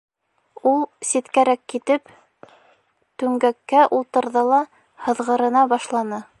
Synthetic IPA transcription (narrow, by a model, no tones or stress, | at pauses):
ulˠsit̪kæɾækːit̪ɘp | t̪ʉŋɡækːæʔulˠt̪ɤ̆ɾðɤlˠɑ | hɤ̆ðʁɤ̆ɾɤ̆nɑbɑʃlˠɑnɤ